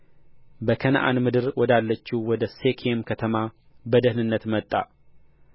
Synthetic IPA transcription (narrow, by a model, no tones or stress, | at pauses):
bəkʰənʔa̰nmɨd̪ɨɾwɔd̪alːət͡ʃːiwɔd̪əsekʰemkʰət̪ʰəma | bəd̪əhnɨnːət̪mət̪ʼːa̰